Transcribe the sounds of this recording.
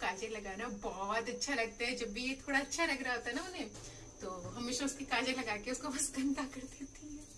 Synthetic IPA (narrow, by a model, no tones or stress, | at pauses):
kaːd͡ʒelɐɡaːnabɔːt̪ɐtːʃʰalɐɡ̚t̪eɦɛ̃d͡ʒɐbːijet̪ʰoːɽaɐtːʃʰalɐɡɾaaɦoːt̪aɦɛnaʊnẽ | t̪oːɦɐmeːʃaʊskikaːd͡ʒelɐɡaːkeʊskoʋɐsɡʱɐ̃nt̪akɐɾd̪eːt̪ʰiɦɛː